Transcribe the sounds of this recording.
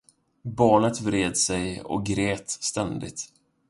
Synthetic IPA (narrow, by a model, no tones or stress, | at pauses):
bɑːɳət̪vɾeːd̪sɛjɔ̰k̚ɡɾeːt̪st̪ɛnd̪ɪ̰t̪